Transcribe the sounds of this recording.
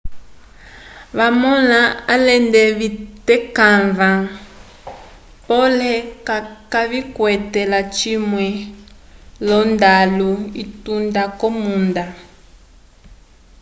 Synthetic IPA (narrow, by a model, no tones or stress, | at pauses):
βamɔlaalɛndɛβitɛkanvã | pɔlɛkaβikwɛtɛlat͡ʃimwɛ | lɔndaluitundakɔmunda